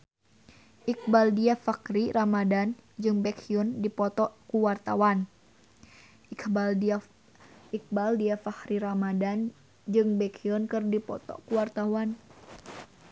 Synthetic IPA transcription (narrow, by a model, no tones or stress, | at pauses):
ʔik̚baldiafakɾiramadand͡ʒɨŋbɛkʰiɔndipɔt̪ɔʔkuwart̪a̰wan | ikbal | ik̚baldiafahɾiɾamadan | d͡ʒɨŋbɛkʰiɔnkɨrdipɔ̰t̪ɔ̰kuwart̪awan